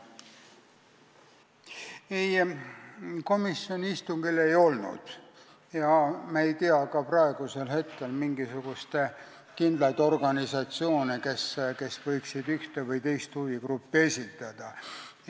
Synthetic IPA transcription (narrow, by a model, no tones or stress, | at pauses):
ej | ko̞misːjo̞niist̪uŋɡ̥ile̞jo̞lnṵd̪̥ | jɑmɑe̞jt̪iɑkɑprɑe̞ɡ̥use̞lhe̞t̪ke̞lmiŋɡisuɡ̥ust̪ | kind̪lɑt̪ːo̞rɡ̥ɑnisɑt̪sio̞ːneke̞ske̞svɤ̞jksid̪yht̪e̞vɤjt̪e̞jst̪huviɡrupːie̞sʲit̪ːˑɑd̪̥ɑ